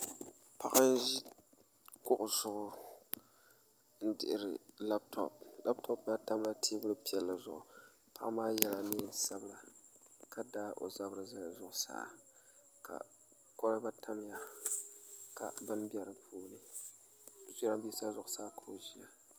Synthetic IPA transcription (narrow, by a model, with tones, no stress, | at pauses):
pa˦ʔa˦n˦ʒi˦ | kʊ˦ʔʊ˨z̥ʊ˦ʔʊ˦ | n̩˦dɪ̰˨ʔɪ˦˨ɾɪ̰˨la˦b̚tʰɔ̰˨p̚la˦btʰɔ˦pba˦ta˦m˦la˦tʰeː˦bʊ˦lɨ˦pi˨ɛ˨lːɨ˨zʊ̰˨ʔʊ˨ | pa˦ʔa˦maː˦jɛ˦la˨neː˦sa˦bla˨ka˦daː˦ʔo̰˨za˦bɾɨ˨za˦˨zʊ˨ʔʊ˦sa̰ː˦˨ | kʰa̰˨ | kɔ˦ɾɨ˦ba˦tʰa˦m˦ja˨ | ka̰˨bɨ˦nbi˦ɛ˨ɾɨ˨pʰuː˦lɨ˦˨ | zi˦ɾa˦bi˦sa˦zʊ˨ʔʊ˨saː˦kʰa˨o˨ʒi˦a˨